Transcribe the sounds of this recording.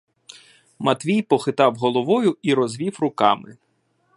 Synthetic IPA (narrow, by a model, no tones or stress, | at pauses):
mɐt̪ʋʲijpɔxɪt̪ɑwɦɔlˠɔʋɔjʊiɾɔzʋʲiwrʊkɑmɪ̰